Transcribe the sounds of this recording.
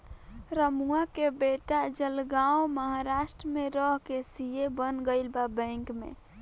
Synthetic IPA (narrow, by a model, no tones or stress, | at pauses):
ɾəmuakebeʈad͡ʒəlɡaoməɦaɾaʃʈɾəmeɾəɦkesijebənɡəɪlbabə̃ŋkmḛ